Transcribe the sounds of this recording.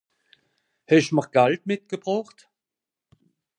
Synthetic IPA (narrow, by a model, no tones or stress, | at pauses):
hɛʃməʁɡ̥altmɪt̚ɡ̥əbʁoːχt